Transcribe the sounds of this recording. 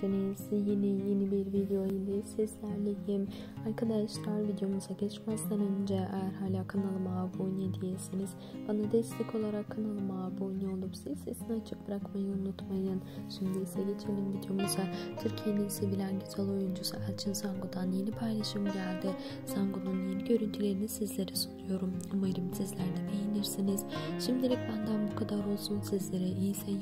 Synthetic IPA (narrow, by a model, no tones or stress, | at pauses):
siniz̥jenijenibiɾvid̪eo̞ilʲɛsɛslʲæɾlʲejim | aɾkʰad̪aʃlˠaɾvid̪ejo̞muzaɟɛt͡ʃmazd̪anø̞nd͡ʒɛʔajæɾɦaːlʲaːkʰanalˠɯmaːbojnujd̪ijesiniz̥ | b̥anad̪ɛst̪ʰɛcʰo̞lˠaɾakʰːanalˠɯmabojnuolˠupsizːesinɛat͡ʃʰɯ̥k̚bɾakmajɯunut̪majɯnʃimd̪iisɛɟe̞t͡ʃʰelʲimbid̪ijo̞musat̪ʰyɾcʰjend̪imisibilʲænɟyz̥alˠo̞jund͡ʒusuælʲt͡ʃʰinsaŋɡud̪anje̞nipʰajlˠaʃɯmɟælʲd̪ɪ | saŋɡununje̞niɟø̞ɾynt̪ʰylʲe̞ɾinisizlʲe̞ɾɛsunujo̞ɾumumaɾɯmsizlʲæɾnɛb̪ejiniɾsiniz̥ʃimd̪ilʲic̚bænd̪ænbukʰad̪aɾo̞lˠsunsizlʲe̞ɾɛʔijsɛ